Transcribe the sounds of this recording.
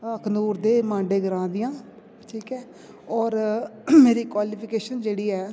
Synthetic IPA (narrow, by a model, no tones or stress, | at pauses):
əkʰnuːɾd̪eːmãːɳɖeːɡəɾãːd̪ɪjãː | ʈʰiːkɛː | ɔːɾmeːɾiːkwaːliːpʰɪkeːʃənd͡ʒeːɽiːɛː